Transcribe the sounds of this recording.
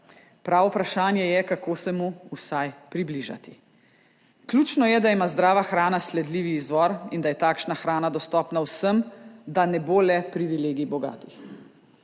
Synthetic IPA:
pɾaːʋɔpɾaʃaːnjɛjɛkakoːsɛmuusajpɾibliʒa̰t̪i̥ | klʲuːt͡ʃnɔjɛd̪aimaːzd̪ɾaːʋaxɾaːnaslɛd̪liːʋiːzʋɔɾind̪ajɛt̪aːkʃnaxɾaːnad̪ɔst̪ɔːpnawsəmd̪anɛbolɛpɾiʋileːɡibɔɡa̰ːt̪ix

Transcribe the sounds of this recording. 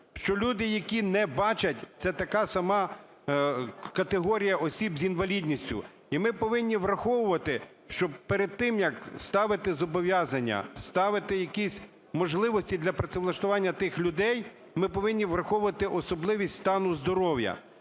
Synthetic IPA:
ʃt͡ʃɔlʲud̪ɪjɐkʲinɛbɑt͡ʃɐtʲt̪sɛt̪ɐkɑsɐmɑ | kɐt̪eɦɔɾʲijɐʔɔsʲibzʲinʋɐlʲid̪ʲnʲisʲtʲʊ̰ | imɪpɔʋɪnʲːiʋɾɐxɔʋʊʋɐt̪ɪ | ʃt͡ʃɔb̚peɾed̪̚t̪ɪmjɐkst̪ɑʋɪt̪ɪzɔbɔʋʲjɑzɐnʲːɐ̰st̪ɑʋɪt̪ɪjɐkʲisʲ | mɔʒlˠɪʋɔsʲtʲid̪lʲɐpɾɐsʲɪʋlˠɐʃt̪ʊʋɑnʲːɐt̪ɪxlʲʊd̪ɛj | mɪpɔʋɪnʲːiʋrɐxɔʋʊʋɐt̪ɪʔɔsɔblˠɪʋʲisʲtʲst̪ɑnʊzd̪ɔɾɔwjɐ̰

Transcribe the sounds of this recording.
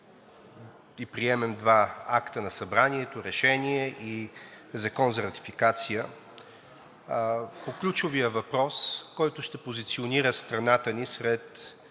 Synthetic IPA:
ipɾiɛmɛmd̪vaakt̪ənɐsɐbɾaniɛt̪oɾɛʃɛniɛʔizɐkɔnzɐɾɐt̪i̥fikat̪sijə | poklʲut͡ʃʊvijəvɐpɾɔskɔjt̪ʊʃt̪ɛpozit̪sioniɾəst̪ɾɐnat̪ənisɾɛt̪

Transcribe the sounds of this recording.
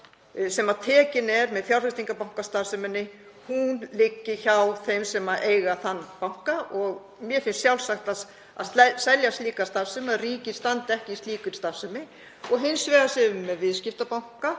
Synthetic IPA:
sɛmaðt̪ʰɛːcɪnɛɾmɛðθjawɾ̥rfɪst̪iŋkapawŋ̥kast̪asʏmɪnːɪ | hunlɪcːɪçawθejmsɛmaʔeːjɣaθanːpawŋ̥kaʔɔɣ | mjɛfɪnsːjawlsaxt̪as | a̰ðsɛsɛljast̪liːkast̪aðsʏmaðriːcɪ̥st̪ant̪ɛhcɪist̪liːkʏnst̪avsʏmɪ | ɔɣɦɪnsvɛːɣasɛvʏmːɛðvɪðscɪft̪apawŋ̥ka

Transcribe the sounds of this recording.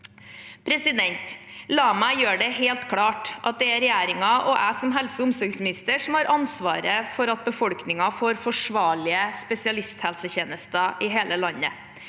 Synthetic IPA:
pʰɾɛsɪd̪ɛnt̪lɑːmæɪjøːɖɛheːlt̪kʰɽɑːʈʔɑt̪̚d̪ɛæɾɛjæːɾɪŋɑʔɔʔæɪsɔmɦɛlsəʊmsɔɾɡsmɪnɪst̪əʂɔmhɑːɾʔɑnsʋɑ̰ːɾəfɔɾɑt̪̚bəfɔɽknɪŋɑfoːɾfɔʂʋɑːɭɪəspɛsɪɑlɪst̪hælsəçeːnəst̪əʔɪɦeːləlɑnːə̰

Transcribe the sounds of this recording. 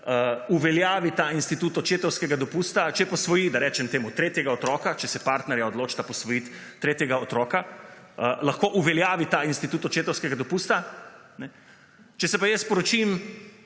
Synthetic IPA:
əuʋɛljaːʋit̪ainst̪it̪ut̪ɔt͡ʃeːt̪ɔwskɛɡad̪ɔpuːst̪at͡ʃɛpɔsʋɔjiːd̪aɾɛːt͡ʃɛmt̪eːmut̪ɾeːt̪jɛɡaɔt̪ɾɔːkat͡ʃɛsɛpaɾt̪nɛɾjaɔd̪loːt͡ʃt̪apɔsʋɔjit̪ːɾeːt̪jɛɡaot̪ɾɔːkaəlaxkoʔuʋɛljaːʋit̪ainst̪it̪uːt̪ɔt͡ʃeːt̪ɔwskɛɡad̪ɔpust̪a | nɛ | t͡ʃɛsɛpajɛspɔɾɔt͡ʃim

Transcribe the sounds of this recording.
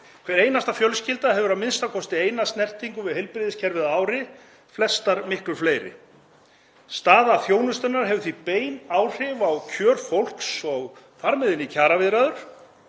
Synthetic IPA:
kʰvɛɾeːjnast̪afjœlscɪlt̪aɦɛvʏɾaðmɪnst̪akʰɔst̪ɪeːjnast̪nɛr̥t̪iŋkʏvɪðhɛjlpɾɪðɪscʰɛɾvɪðaaːwɾɪ | flɛst̪aɾmɪhklʏɾfleːjɾɪ̰ | st̪aːðaθjoːwnʏst̪ʏnaɾ̥ɦɛvʏθvipeːjnaːwr̥ɪvawcʰœːɾfowl̥ksɔɣ | faɾmɪðɪnːɪcʰaːɾavɪðɾaðʏɾ̥

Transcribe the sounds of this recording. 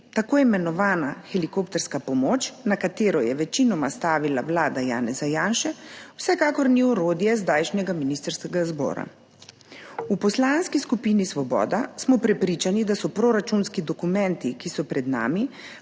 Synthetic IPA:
t̪akoːjimɛnɔʋaːnaxɛlikopt̪ɛɾskapɔmoːt͡ʃnakat̪eːɾɔjɛʋɛt͡ʃinɔmast̪aːʋilawlaːd̪aja̰ːnɛzajaːnʃɛwsɛkaːkɔɾniɔɾoːd̪jɛzd̪aːjʃnɛɡaminist̪əɾskɛɡazbɔ̰ːɾa̰ | upɔslaːnskiskupinisʋɔbɔ̰ːd̪asmɔpɾɛpɾiːt͡ʃanid̪asɔpɾoɾat͡ʃunskid̪ɔkumɛ̃nt̪ikisɔpɾɛd̪na̰ːmi

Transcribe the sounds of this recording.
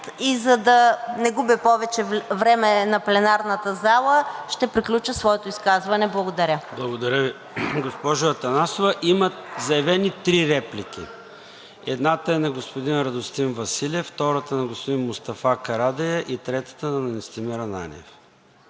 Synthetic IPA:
t̪izɐd̪ɐnɛɡubipɔvɛt͡ʃɛvɾɛmɛnɐplɛnaɾnət̪əzalˠəʃt̪ɛpɾiklʲut͡ʃəsvɔɛt̪oiskazvɐnɛblˠɐɡod̪ɐɾʲəblˠɐɡod̪ɐɾʲəvi | ɡospɔʒʊɐt̪ɐnasovɐʔimɐzɐjɛvɛnit̪ɾiɾɛplʲik̟ʲḭ | ɛd̪nat̪əɛnɐɡospod̪inɾɐd̪ost̪invɐsiliɛft̪ɔɾət̪ənɐɡospʊd̪inmʊst̪ɐfakɐɾad̪ɐjɐʔit̪ɾɛt̪ə̥t̪ənɐnɐnist̪imiɾɐna̰nʲɛ̰f

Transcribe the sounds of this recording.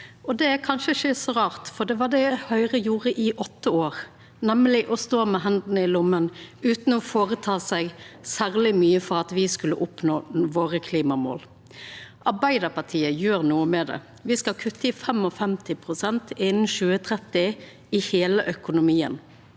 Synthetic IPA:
ɔd̪ɛækʰɑnʃəɪçəsɔɾɑːʁt̪fɔd̪ɛʋɑɖ̪ɛhœʏʁəjuːɾəʔɪʔɔt̪ːəoːɾ | nɛmlɪʔɔst̪oːmɛɦɛnd̪n̩əɪlʊmːənʉːt̪n̩ɔfoːɾət̪ʰɑːsæɡsæɾlɪmyːəfɔɾɑt̪ʋɪskʉlːəʔʊpnoːʋoːɾəkʰliːmɑmo̰ːl | ʔɑɾbæɪd̪əpɑt̪ʰiːəjøːɾnuːəmɛd̪ɛ̰ | ʋɪskɑlkʰʉt̪ːəɪfɛmɔfɛmt̪ʰɪpʰɾʊsɛnt̪ɪnn̩ʃʉːət̪ʰɾɛt̪ːɪ | ɪheːləʔœkʊnʊmiːə̰n

